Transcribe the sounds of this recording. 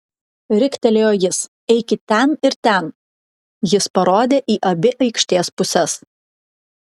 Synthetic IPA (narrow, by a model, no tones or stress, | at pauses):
ɾʲɪkʲt̪ʲɛlʲeːjoːjɪs | ɛɪkʲɪt̪ʲɛnɪɾt̪ʲɛn | jɪspɐɾoːd̪ʲeːʔiːʔɐbʲɪʔɐɪkʃʲt̪ʲeːspʊsʲɛs